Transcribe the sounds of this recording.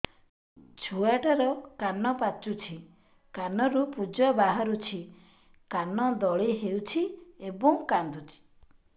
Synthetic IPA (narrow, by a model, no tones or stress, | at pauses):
t͡ʃʰuaʈaɾɔkanɔpat͡ʃut͡ʃʰi | kanɔɾupud͡ʒɔbaɦaɾut͡ʃʰi | kanɔd̪ɔɭiɦewt͡ʃʰiebɔŋkand̪ut͡ʃʰi̥